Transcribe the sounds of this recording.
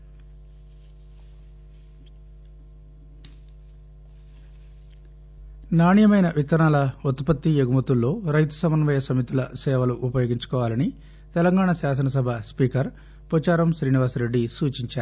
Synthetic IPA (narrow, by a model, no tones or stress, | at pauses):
naːɳijɐmɐjnɐʋit̪ɐnaːlɐut̪pɐt̪ːijeɡumɐt̪ulːo̞ːɾɐjt̪u̥sɐmɐnɐʋɐjɐsɐmit̪ulɐ̰sɛːʋɐluʔupɐjoːɡiɲt͡ʃu̥kɔːʋaːlɐni | t̪ɛlɐŋɡaːɳasaːs̬ɐnɐs̬ɐbʱɐspiːkɐɾ | pɔt͡ʃaːɾɐmʃɾiːniʋaːsɾe̞ɖːisuːt͡ʃiɲt͡ʃaːɾu